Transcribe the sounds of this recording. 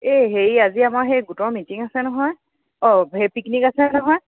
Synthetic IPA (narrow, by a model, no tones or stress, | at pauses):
eɦeɹaziamaɹɦejɡutɔɹmitiŋasɛnɔɦɔj | ɔɦepiknikasɛnɔɦɔj